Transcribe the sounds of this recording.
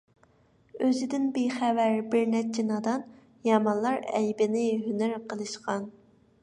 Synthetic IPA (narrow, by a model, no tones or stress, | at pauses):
øzɪd̪ɪnbejχævæɾbɪɾnɛt͡ʃʰinɑd̪ɑn | jɑmɑnlˠɑɾɛjbɪnɪɦynæɾqʰəlˠɨʃqɑn